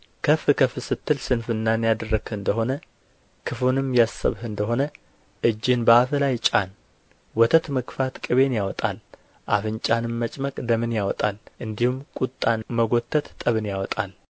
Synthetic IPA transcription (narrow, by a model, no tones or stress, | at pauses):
kʰəfɨkʰəfɨsɨt̪ːɨlsɨnfɨnːanjad̪ərːəɡhɨnd̪əɦo̞nə | kʰɨfonɨmjasə̰βhɨnd̪əɦo̞nə | ʔɨd͡ʒːɪnbəafɨlajt͡ʃʼan | wɔt̪ʰət̪məkfat̪kʼɨβe̞njawɔt̪ʼal | ʔafɨnt͡ʃʼanɨmːət͡ʃʼməkʼd̪əmɨnjawɔt̪ʼalʔɨnd̪ihumkʼut̪ʼːanməɡo̞t̪ʰːət̪t̪ʼəβɨnjawɔt̪ʼa̰l